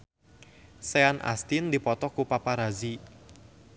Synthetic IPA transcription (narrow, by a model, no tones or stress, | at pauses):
seanʔa̰st̪ind̪ipɔt̪ɔkupapaɾazi